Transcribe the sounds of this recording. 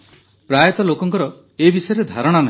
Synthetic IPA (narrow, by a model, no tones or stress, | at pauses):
pɾajɔt̪ɔlokɔŋkɔɾɔ | ebisɔjɔɾed̪ʱaɾɔɽ̃ana